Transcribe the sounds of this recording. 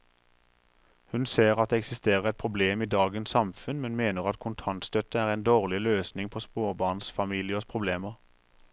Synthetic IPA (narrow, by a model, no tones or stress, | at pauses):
hʉnseːʁɑt̪̚d̪eːɛksɪst̪eːʁəʁɛt̪̚pʰʁʊbleːmiːd̪ɑːɡənsɑmfʉnmɛnmeːnəʁɑt̪kʰʊnt̪ʰɑnt̪st̪œt̪əæːʁɛɪnd̪oːʁlɪløːsnɪŋpʰospoːʁbɑːʁnsfɑmiːlɪəɔspʰʁʊbleːməʁ